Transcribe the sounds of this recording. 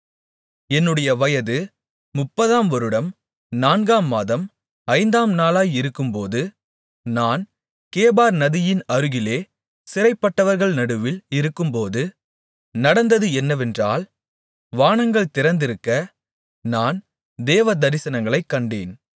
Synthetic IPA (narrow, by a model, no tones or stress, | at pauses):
ɛnːɯɽɐjɐʋɐjɐðɯ | mʊpːɐðaːmʋɔɾɯɽɐm | naːnɡaːmːaːðɐm | ɐɪnd̪aːmnaːlaːjɪɾɯkːɯmpoːðɯ | naːn | keːbaːɾnɐðɪjɪnɐɾɯɣɪleː | sɪɾɐɪpːɐʈːɐʋɐɾɣɐɭnɐɽɯʋɪlɪɾɯkːɯmpoːðɯ | nɐɽɐnd̪ɐðɯɛnːɐʋɛndra̰ːl | ʋaːɳɐŋɡɐɭt̪ɪɾɐnd̪ɪɾɯkːɐ | naːn | d̪eːʋɐd̪ɐɾɪsɐnɐŋɡɐɭɐɪkːɐɳɖeːn